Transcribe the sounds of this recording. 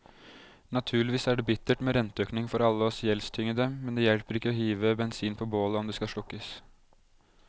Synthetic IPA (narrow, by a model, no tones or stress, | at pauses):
nɑt̪ʰʉːɭɪʋiːsæɖɛbɪt̪ːəʈmeːɾɛnt̪əøːknɪŋfɔɾɑlːəɔsjɛlst̪ʰʏŋəd̪əmɛnd̪ɛːjɛlpəɾɪkːəɔhiːʋəbɛnsiːnpʰɔboːləɔmd̪ɛskɑʂɭʊkːəs